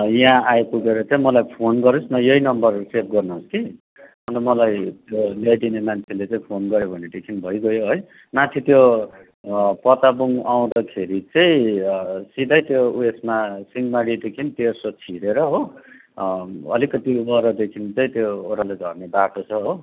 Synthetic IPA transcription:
jaãajpuɡeɾʌt͡saĩmʌlajpʰonɡʌɾusnʌjʌinʌmbʌrsep̚ɡʌrnʌoski | ʌnt̪ʌmʌlajt̪jolajd̪inemant͡sʰelet͡saĩpʰonɡʌɾjobʱʌneʈekʰinbʱʌjɡʌjoɦʌj | mat͡sʰit̪jo | pʌt̪abuŋaw̃d̪akʰeɾit͡sʌĩ | sid̪ajt̪jouesmasinmaɽiʈ̪ekʰint̪ersot͡sʰiɾeɾʌɦo | ʌ̰likːʌt̪ibʌɾʌd̪ekʰint͡sʌĩt̪joːɾaled͡zʱʌ̰rnebaʈot͡sʰʌɦo

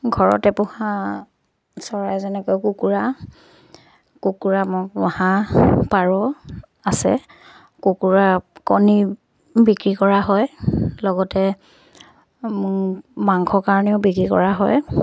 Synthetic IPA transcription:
ɡʱɔɹɔ̰tɛpʊhã | sɔɹajzɛnɛkojkukuɹa | kukuɹamʊahãpaɹɔ | asɛ̰ | kukuɹakɔni | bikɹikɔɹaɦɔjlɔɡɔtɛ | mʊmaŋkʰɔkaɹɔnɛʊbikɹikɔ̰ɹaɦɔ̰j

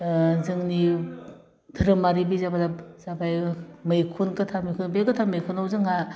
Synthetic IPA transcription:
zɯŋni | dʰɯɾɯmaɾibizabadazabajmɯjkʰunkɯtʰamɯjkʰunbejɡɯtʰamɯjkʰunawzɯŋa

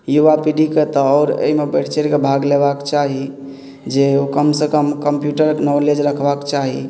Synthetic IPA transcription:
juʋapiɖiket̪ɔːɾḛimebeʈʰt͡ʃeɾkebʱaɡlebakt͡ʃaɦi | d͡ʒeokəmsekəmkəmpjuʈəɾnɔled͡ʒɾəkʰbakt͡ʃaɦi

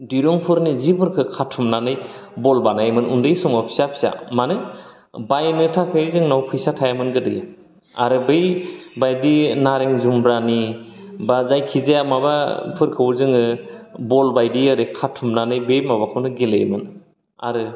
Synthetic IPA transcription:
diɾɔŋpʰɯɾnizibɯɾkʰɯkʰatʰːumnanɯj | bɔlbanajmɯnundɯjsɔŋɔpʰi̥sapʰsa̰manɯj | bajnɯtʰakʰɯzɯŋnawkʰɯjsatʰajamɯnɡɯdɯ̰ja | a̰ɾɯbejbajdinaɾeŋzumbɾanibazajkʰizajamaba̰pʰɯɾkʰɯwɾzɯŋɯbɔlbajdiaɾɯkʰatʰːumnanɯjbejmaβakʰɯwnɯɡelḛjmɯn | a̰ɾɯ

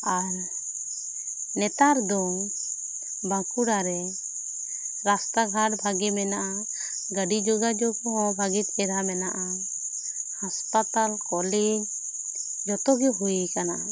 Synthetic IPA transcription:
aɾ | nɛt̪aɾd̪ɔŋ | bãkuɾaɾɛ | ɾast̪aɡʱaʈbʱaɡimɛnaʔa | ɡəɖid͡ʒoɡad͡ʒɔɡɔɦɔ̃bʱaɡit̪ɛɾamɛnaʔa | haspat̪alkɔled͡ʒ | d͡ʒɔt̪ɔɡɛɦujkanaʔa

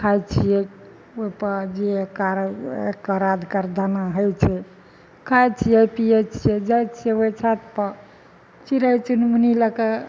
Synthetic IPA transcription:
kʰajt͡ʃʰije | oipəd͡ʒeekaɾḛkaɾad̪ʱkaɾd̪ʱanaɦəjt͡ʃʰɛ | kʰajt͡ʃʰijapiet͡ʃʰed͡ʒajt͡ʃʰieət͡ʃʰat̪pə | t͡ʃiɾajt͡ʃunmuniləke

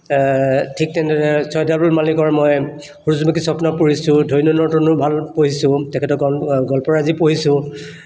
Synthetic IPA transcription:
tʰik̚tɛndɔɹɛsɔjdʱabulmalikɔɹmɔj | xuɹuzmakisɔpnapuɹisʊ̃dʱojnɔnɔɹtɔnʊbʱalpoɦisʊ̃tɛkʰɛtɔkɔnɡɔlpɔɹazipoɦisʊ̃

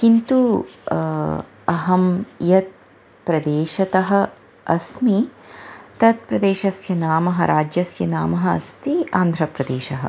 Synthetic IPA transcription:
kint̪u | ɐɦɐmjɐt̪̚ | pɾɐd̪eːʃɐt̪ɐɦɐ̆ | ɐsmi | t̪ɐt̪̚pɾɐd̪eːʃɐsjɐnaːmɐɦɐɾaːd͡ʒjɐsjɐnaːmɐɦɐɐ̰st̪ia̰ːnd̪ʱɾɐpɾɐd̪eːʃɐɦɐ̰

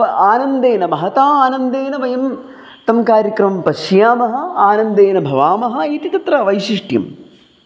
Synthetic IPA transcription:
aːnɐnd̪eːnɐbɐɦɐt̪aːaːnɐnd̪eːnɐʋɐjɐm | t̪ɐmkaːɾjɐkɾɐmɐmpɐʃijaːmɐɦɐ̆aːnɐnd̪eːnɐbʱɐʋaːmɐɦɐ̆iːt̪it̪ɐt̪ɾɐʋɐjʃiʂʈjɐ̰m

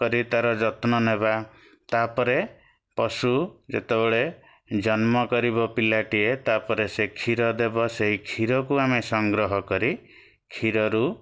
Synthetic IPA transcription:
kɔɾit̪aɾɔd͡ʒɔt̪nɔneba | t̪apɔɾe | pɔsud͡ʒḛt̪ebeɭe | d͡ʒɔnmɔkɔɾibɔpilaʈiet̪apɔɾesekʰiɾɔd̪ebɔseɦikʰiɾɔkuamesɔŋɡɾɔɦɔkɔɾi | kʰiɾɔɾu

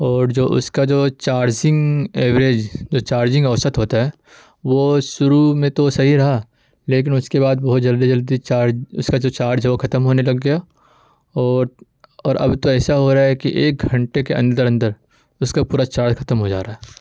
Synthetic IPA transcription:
ɔːɾd͡ʒoːʔʊ̰skad͡ʒoːt͡ʃaːɾd͡ʒɪ̃ŋɡeːʋɾeːd͡ʒd͡ʒoːt͡ʃaːɾd͡ʒɪ̃ŋɡɐʋsət̪ɦoːt̪aɦɛː | ʋoʃʊɾumẽt̪osɐɦiɾɐɦa | leːk̬ɪnʊskebaːd̪̚bɐɦʊt̪d͡ʒɐld̪id͡ʒɐld̪it͡ʃaːɾd͡ʒʊskad͡ʒoːt͡ʃaːɾd͡ʒɦɛʋokʰɐt̪əmɦoːnelɐɡːɐja | ɔːɾ | ɔːɾʔɐ̰bt̪oɛːsaɦoɾaaɦɛkiʔeːk̚ɡʱɐ̃ɳʈekeɐ̰̃nd̪əɾɐ̃nd̪əɾ | ʊskapuːɾat͡ʃaːɾd͡ʒkʰɐt̪əmɦod͡ʒa̰ːɾaɦɛː

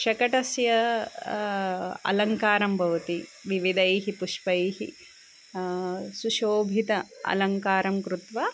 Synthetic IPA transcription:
ʃɐkɐʈɐsjɐ | ɐ̰lɐŋkaːɾɐmbʱɐʋɐt̪iʋiʋid̪ɐjɦipuʂpɐjhḭ | suʃoːbʱit̪ɐɐ̰lɐŋkaːɾɐmkɾut̪ʋa

